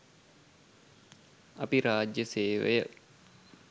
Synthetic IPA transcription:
apiɾaːd͡ʒjəseːʋejə

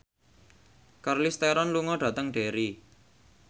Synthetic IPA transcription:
karlist̪eɾɔnluŋɔɖ̥ä̤t̪əŋɖ̥e̤ɾi

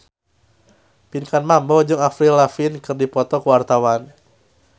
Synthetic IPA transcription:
pinkanmambɔd͡ʒɨŋafɾilafinkɨrdipɔt̪ɔkuwart̪awan

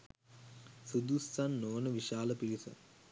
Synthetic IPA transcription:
sud̪ust̪anːoːnəʋiʃaːləpilisə̰

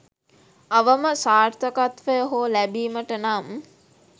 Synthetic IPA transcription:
ɐʋəməsaːrt̪ʰəkat̪ʋəjəɦoːlæbiːməʈənam

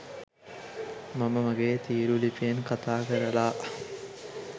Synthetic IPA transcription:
maməmɐɡeːt̪iːɾulipeːnkat̪aːkəɾəlaː

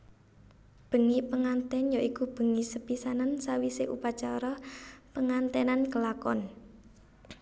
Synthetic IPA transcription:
b̥ə̤ŋipəŋant̪ɛnjaʔikub̥ə̤ŋisəpisanansawiseʔṵpat͡ʃaɾɔpəŋant̪ɛnankəlakɔ̰n

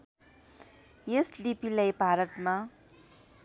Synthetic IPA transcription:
jeslipilajpaɾʌtma

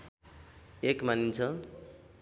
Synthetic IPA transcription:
ekmanint͡sʰʌ

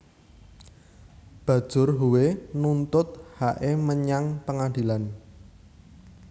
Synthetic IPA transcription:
b̥ä̤d̥ʒ̥ʊrɦuwenunt̪ʊt̪̚haʔeməɲaŋpəŋand̪ilan

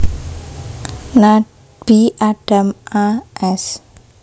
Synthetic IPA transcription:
na | b̥iʔaɖ̥amaʔɛs

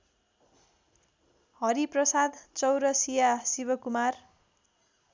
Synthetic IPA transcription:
hʌɾiprʌsad̪t͡sʌwɾʌsijasibʌkumar

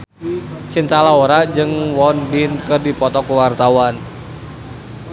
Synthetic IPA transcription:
t͡ʃint̪alaɔɾad͡ʒɨŋwɔnbinkɨrdipɔt̪ɔkuwart̪awan

